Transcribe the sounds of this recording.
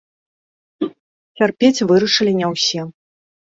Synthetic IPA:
t͡sʲarpʲet͡sʲvɨɾɐʂɨlʲinʲɛwsʲi

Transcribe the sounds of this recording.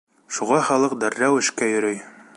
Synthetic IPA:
ʃuʁɑχɒlˠɤq̚d̪æɾːæwɘ̆ʃkæjɵ̆ɾɘj

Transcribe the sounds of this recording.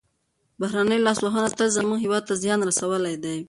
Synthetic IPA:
bahɾanəjlɑsloɦanat̪alzamuŋɡɦɪwɑd̪̚t̪azjɑnɾasawəlajd̪aj

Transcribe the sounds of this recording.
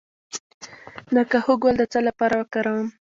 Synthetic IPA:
nakahuɡwald̪ət͡salapɑɾawəkɑɾawəm

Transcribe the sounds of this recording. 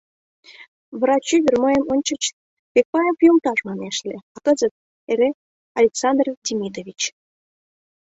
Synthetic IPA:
βrɑt͡ɕyβʲərməjə̆mənʲt͡ɕə̆t͡ɕ | pek̚pɑjəmpujult̪ɑʃmɑneʃlʲeɑkəzət̪̚ | eɾe | ɑlʲeksɑnd̪rd̪ʲmʲid̪oβʲit͡ɕ

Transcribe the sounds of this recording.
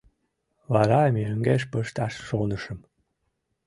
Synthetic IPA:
βɑɾɑmʲeəŋɡeʃ̬pəʃt̪ɑʃʃonəʃəm

